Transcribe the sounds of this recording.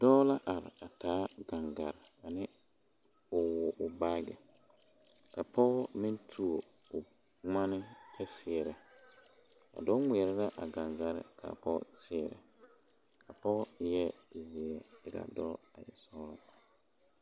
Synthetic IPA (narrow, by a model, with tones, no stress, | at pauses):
d̥ɔ˦la˦ʔa˨ɾɪ̰˨a˨taː˨˦ɡa˨ŋɡa˨ɾɪ˨a˨nɪ˦ | ʊ˨wʊ˨ʔʊ˨ba˦ɡɛ̰˨ | ka˨pʰɔ˦mɪ˦ntʰu˨o˨ | ʊ˨ | ŋa˦nɪ˦tʰɛ˦sɪ˨ɛ˨ɾɛ˨ | a̰˨dɔ˦ŋʷɛ˨ɛ˨ɾɪ˦la˦ʔa˨ɡa˨ŋɡa˨ɾɪ̰˨kʰa̰˨pɔ˦sɪ˦ɛ˨ɾɛ̰˨ | ka˨pɔ˦jɛ˦zɪ˨ɛ˦ɪ˦ka̰˨dɔː˦a˨jɛ̰˨sɔ˦la˦